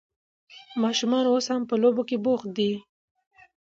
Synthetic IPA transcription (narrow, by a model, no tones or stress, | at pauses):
mɑʃumɑnoshampəlobokeboxd̪i